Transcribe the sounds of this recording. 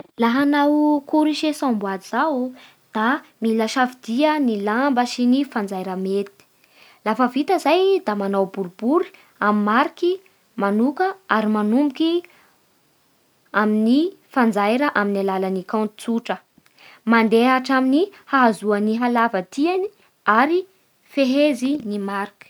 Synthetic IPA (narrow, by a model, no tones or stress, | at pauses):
laɦanawkuɾiʃesãmbwad̪z̥aw | d̪̥amilaʃafid̪̥iənilambəʃinifand͡zajɾəmet̪i̥ | lafəvit̪əzajd̪amanawbuɾub̥uɾi̥ | amimaɾiki | manukəaɾimanumbuki | aminifand͡zajɾəʔaminalalanikãnt̪i̥t͡suʈ͡ʂə | mand̪eaʈ͡ʂaminihaazuaniɦalavət̪iani | aɾi | feɦezinimaɾiki̥